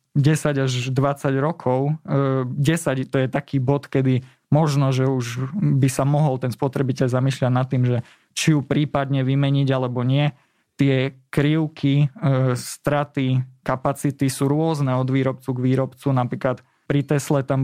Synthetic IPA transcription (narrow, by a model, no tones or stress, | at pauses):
ɟɛsaɟaʒd̪ʋat͡saɟɾɔkʰɔʊ | ɟɛsaɟt̪ɔjɛt̪akʰiːbɔt̪kɛd̪i | mɔʒnɔʒɛuʒbisamɔɦɔlt̪ɛnspɔt̪ɾɛbicɛʎzamiːʃʎaɟnat̪ːiːmʒɛ | t͡ʃijupɾiːpad̪ɲɛʋimɛɲiɟalɛbɔɲɪɛ | t̪ɪɛkɾiʊkʰi | st̪ɾat̪ikapat͡sit̪isuːɾʊɔznɛɔd̪ʋiːɾɔpt͡suɡʋiːɾɔpt͡sunapɾiːklat̪ | pɾit̪ɛslɛt̪am